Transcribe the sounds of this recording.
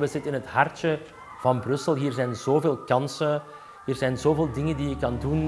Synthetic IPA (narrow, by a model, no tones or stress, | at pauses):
ʋəzɪtənɪnɦətɦɑrtə | v̥ɑnbrɵsəlˠɦiːrzɛjnz̥oːveːlˠkɑnsə | ɦiːrzɛjnzoːveːlˠdɪŋəndiɪkːɑndun